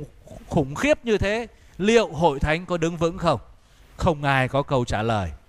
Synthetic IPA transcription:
xʊ˧˩ŋ͡mxi˦˥əp̚ɲɨ˧t̪ʰe˨˦ | lḭ˧˨əwɦo̰˧˨jt̪ʰa˨˦jŋ̟kɔ˨˦ɗɨ˨˦ŋvɨ̰˧˥ŋxə˧wŋ͡m | xə˧wŋ͡mʔaː˧jkɔ˨˦kə˧wt͡ɕaː˧˩ləː˨˩j

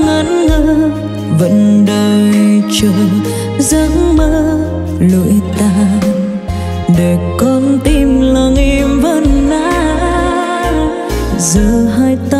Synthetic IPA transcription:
ŋə˨˦nŋə˧˦ | və̰˧˥nɗəː˧jt͡ɕə˧˦ | zə˨˧˦ŋməː˧ | lṵ˧˨jt̪a˧ | ɗe˨˩kɔ˧nt̪i˧mlə˧˩ŋʔi˧mvə˧˥nːa˧˥ | zə˧˦wɦaː˧jt̪a˧

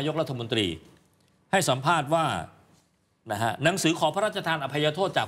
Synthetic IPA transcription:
jo˥k̚ɾa˦˥t̪ʰːa˧mo˧nt̪ɾḭː˧ | ha˥˩jsa˩˦mpʰaː˥˩t̪̚waː˥˩ | na˦˥kʰa˦˥na˩˦ŋsɯː˩˦kʰɔː˩˦pʰa˦ɾaː˥˩t͡ɕa˧t̪ʰaː˧nʔa˧˩pʰːa˧jaː˧t̪ʰoː˥˩t̪̚t͡ɕaː˨˩

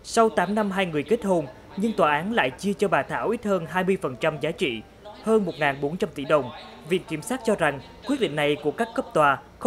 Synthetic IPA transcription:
sa˧wt̪aː˨˦mna˧mɦaː˧jŋɨ˨˩əjke˦˥t̚ho˧n | ɲɨ˧ŋt̪waː˨˩ʔaː˨˦nla̰ː˧˨jt͡ɕɨ˧ət͡ɕɔ˧ɓaː˨˩t̪ʰaː˧˩wʔi˦˥t̚həː˧nɦaː˧jmɨ˧əjfə˨˩nt͡ɕa˧mzaː˨˦t͡ɕḭ˧˨ | həː˧nmo˨˩t̚ŋaː˨˩nɓo˨˦nt͡ɕa˧mt̪ḭ˧˩ɗə˨˩wŋ͡m | vḭ˧˨ənki˧˩msaː˦˥t̚t͡ɕɔ˧za˨˩ŋ | kwəɗḭ̈˧˨ŋ̟na˨˩jku˧˩əkaː˦˥kːə˦˥p̚t̪waː˨˩

